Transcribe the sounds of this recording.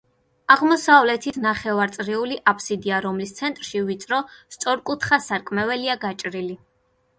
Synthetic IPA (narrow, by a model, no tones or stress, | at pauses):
aʁmɔsavlɛt̪ʰit̪ʰnaχɛvaɾt̪sʼɾiuliʔapʰsid̪iaɾɔmlist̪sʰɛnt̪ʼɾʃivit̪sʼɾɔst̪sʼɔɾkʼut̪ʰχasaɾkʼmɛvɛliaɡat͡ʃʼɾili